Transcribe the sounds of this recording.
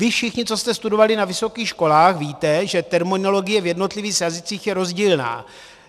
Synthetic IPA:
vɪfʃɪxɲɪt͡so̞st̪ɛst̪udo̞valɪnavɪso̞kiːxʃko̞laːxviːt̪ɛʒɛt̪ɛɾmonolo̞ɡɪjɛvjɛdnot̪lɪviːxjazɪt͡siːxjɛɾo̞zɟiːlna̰ː

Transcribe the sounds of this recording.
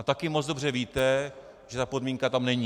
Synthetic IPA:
at̪akɪmot͡sd̪obr̝ɛviːt̪ɛ | ʒ̥ɛt̪apo̞dmiŋkat̪amnɛɲi

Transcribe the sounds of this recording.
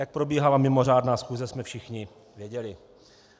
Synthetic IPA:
jak̚pɾo̞biːɦalamɪmo̞r̝aːdnaːsxuːzɛsmɛfʃɪxɲɪ | vjɛɟɛlɪ

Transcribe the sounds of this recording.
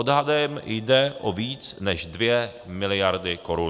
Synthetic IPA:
odɦadɛmjdɛʔʔoviːt͡snɛʒdvjɛ | mɪlɪjaɾdɪkoɾu

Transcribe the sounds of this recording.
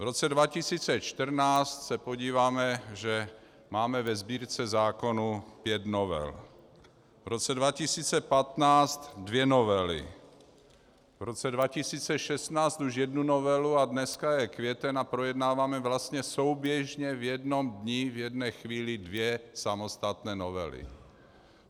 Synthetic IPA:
vɾot͡sɛdvacisiːt͡sɛt͡ʃt̪r̩naːt͡st̪sɛpo̞ɟiːvaːmɛʒɛ | maːmɛvɛzbiːɾt͡sɛzaːko̞nupjɛt̪novɛ̰l | vɾot͡sɛdvacisiːt͡sɛpat̪naːt͡st̪dvjɛnovɛlɪ̰ | vɾot͡sɛdvacisiːt͡sɛʃɛst̪naːt͡st̪uʒjɛdnunovɛluadnɛskajɛkvjɛt̪ɛnapɾojɛdnaːvaːmɛvlast̪ɲɛsowbjɛʒɲɛvjɛdno̞mdɲivjɛdnɛːxviːlɪdvjɛsamost̪at̪nɛːnovɛ̰lɪ̰

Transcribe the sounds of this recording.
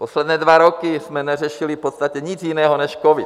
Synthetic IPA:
poslɛd̪nɛːdvaɾokɪsmɛnɛrɛʃɪlɪfpot̪st̪acɛɲɪt͡sjɪnɛːɦonɛʃkovɪt̪

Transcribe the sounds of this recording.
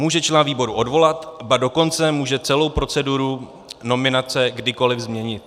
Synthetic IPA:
muːʒɛt͡ʃlaːnviːbo̞ɾuʔo̞dvo̞lat̪bado̞ko̞nt͡sɛmuːʒɛt͡sɛlo̞wpɾo̞t͡sɛduɾu | no̞mɪnat͡sɛɡdɪko̞lɪvzmɲɛɲɪt̪

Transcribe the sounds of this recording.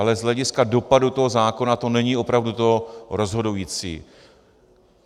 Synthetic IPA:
alɛzɦlɛɟɪskado̞padut̪o̞ɦo̞zaːko̞nat̪o̞nɛɲiːʔo̞pɾavdut̪o̞ɾo̞zɦo̞dujiːt͡sḭː

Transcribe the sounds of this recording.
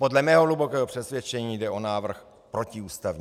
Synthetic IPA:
po̞dlɛmɛːɦoɦlubokɛːɦopr̥ɛsvʲjɛt͡ʃɛɲiːdɛʔo̞naːvr̩x | pɾo̞ciuːst̪avɲ

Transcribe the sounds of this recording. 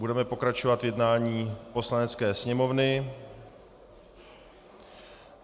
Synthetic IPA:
budɛmɛpo̞kɾat͡ʃovat̪vjɛdnaːɲiːpo̞slanɛt͡skɛːsɲɛmo̞vnɪ

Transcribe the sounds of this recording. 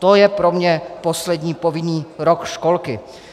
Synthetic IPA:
t̪ojɛpɾomɲɛpo̞slɛdɲiːpovɪniːɾokʃkolkɪ

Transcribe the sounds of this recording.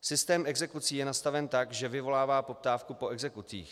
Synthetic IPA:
sɪst̪ɛːmʔɛɡzɛkut͡siːjɛnast̪avɛnt̪aɡʒɛvɪvo̞laːvaːpo̞p̚t̪aːfkupo̞ɛɡzɛkut͡sḭːx

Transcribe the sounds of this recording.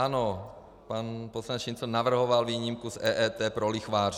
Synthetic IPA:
ano | panposlaɲɛt͡ʃint͡sonaʋr̩ɦɔʋalʋiːɲimkuzɛːʔɛːt̪ɛːpɾolixʋaːr

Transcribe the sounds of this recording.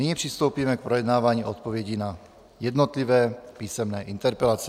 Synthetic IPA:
niɲipr̝̥ist̪o̞wpiːmɛk̚pɾojɛdnaːvaːɲiːʔot̪̚po̞vjɛɟina | jɛdnot̪livɛːpiːsɛmnɛːʔint̪ɛɾpɛlat͡sɛ

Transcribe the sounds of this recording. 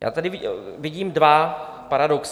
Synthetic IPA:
ja̰ːt̪adɪvɪvɪɟiːmdva | paɾadoks

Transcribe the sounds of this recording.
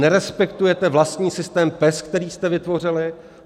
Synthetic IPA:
ɛɾɛspɛkt̪ujɛt̪ɛvlast̪ɲiːsɪst̪ɛːmpɛskt̪ɛɾiːst̪ɛvɪt̪vo̞r̝ɪlɪ

